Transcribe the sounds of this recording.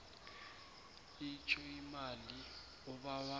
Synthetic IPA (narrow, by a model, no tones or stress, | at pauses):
it͡ʃʰɔimali | ɔɓawa